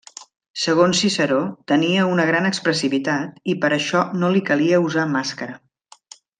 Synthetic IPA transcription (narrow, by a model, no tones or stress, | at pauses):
səɣ̞onsːisəɾot̪əniəunəɣ̞ɾanəkspɾəsiβit̪at̪ipəɾəʃɔnolikəliəuzamaskəɾə